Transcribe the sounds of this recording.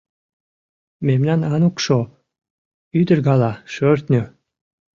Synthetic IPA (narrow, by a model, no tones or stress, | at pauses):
memnɑnɑnukʃo | yd̪ərɣɑlɑʃørt̪nʲø